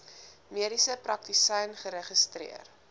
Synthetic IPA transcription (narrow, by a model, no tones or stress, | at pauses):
miəɾisəprɐk̚tisɛjnχəɾəχəstrḭər